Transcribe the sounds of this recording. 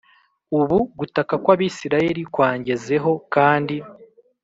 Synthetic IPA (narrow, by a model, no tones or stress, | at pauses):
uβuɡutakakwaːβiːsiɾaje̞ɾikwaːɲɟe̞ze̞ɦo̞kaːndi